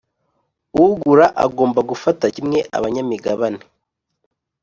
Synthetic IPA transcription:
uuɡuɾaʔa̰ɡoːmbaɡufatacimŋe̞ʔa̰βaɲamiɡaβane

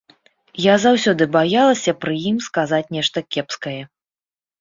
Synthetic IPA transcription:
jazawsʲɔd̪ɨbajalˠɐsʲɐpɾɨjimskazat͡sʲnʲɛʂt̪ɐkʲɛpskɐjɛ

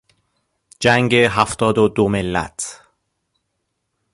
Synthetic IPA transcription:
d͡ʒæŋɡeɦæft̪ɒːd̪od̪omelːæ̰t̪ʰ

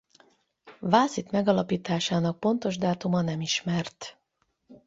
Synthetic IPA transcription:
vaːsit̪mɛɡɒlɒpiːt̪aːʃaːnɒk̚po̞nt̪o̞ʒd̪aːt̪umɒnɛmiʃmɛrt̪

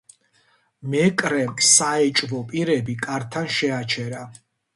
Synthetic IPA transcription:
mɛkʼɾɛmsaɛt͡ʃʼvɔpʼiɾɛbikʼaɾt̪ʰanʃɛat͡ʃʰɛɾa

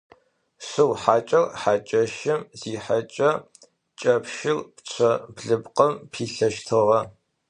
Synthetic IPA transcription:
sɨwħaːt͡ʃʼɐrħaːt͡ʃʼɐʃɪmziːħat͡ʃʼɐ | t͡ʃʼɐpʃɪrpt͡ɕʷʰɐbɮɨbqʼɐmpʰiːɬɐʃtʰɨʁɐ

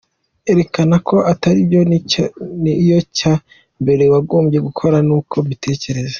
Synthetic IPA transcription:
e̞ɾe̞kanakʰo̞ʔataɾibjo | nijo̞ca | mbe̞ɾe̞waɡo̞ːmbɟe̞ɡukʰo̞ɾanuːkʰo̞mitʰe̞ːce̞ɾe̞zḁ

